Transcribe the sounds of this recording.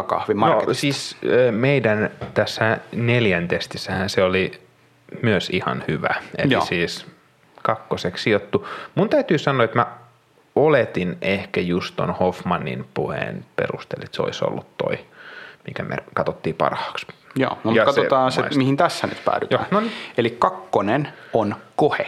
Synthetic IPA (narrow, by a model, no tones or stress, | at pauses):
kɑ̰hʋimɑnosiːsøːmeidænt̪æsːæneljænt̪est̪isːæhænseoli | myøsihɑ̰nhyʋæ̰ḛlḭsiːs | kɑkːosekssiot̪ːumunt̪æyt̪yːsɑnːoːet̪mæ | olet̪inehkæjust̪o̰nhofmɑnːḭnpuhḛːnpḛrust̪ḛlet̪seo̰iso̰lːut̪to̰imikæmḛkɑt̪ot̪ːiːpɑ̰rhɑ̥ːksjo̰ːnmɑkɑt̪ot̪ɑːnsemihint̪æsːæny̰t̪pæ̰ːdytjoæːnonielikkɑkːonenonkohe